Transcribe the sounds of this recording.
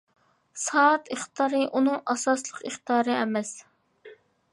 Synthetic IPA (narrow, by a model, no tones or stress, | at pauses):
sɑt̪ʰiχt̪ɑːɾɨʔunɨŋʔɑsɑslˠəqiχt̪ɑːɾɨɛmɛs